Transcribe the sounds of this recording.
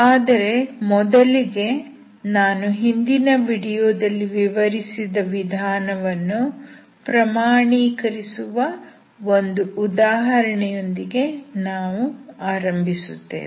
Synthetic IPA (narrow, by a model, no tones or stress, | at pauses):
aːd̪ɐɾe̞mɔd̪ɐliɡe̞ | naːnuɦind̪inɐʋiɽijoːd̪ɐlːiʋiʋɐɾisid̪ɐʋid̪ʱaːnɐʋɐnːu | pɾɐmaːɳiːkɐɾisuʋɐ | o̞nd̪uʔud̪aːɦɐɾɐɳɛjo̞nd̪iɡe̞naːʋuaːɾɐmbʱisut̪ːḛːn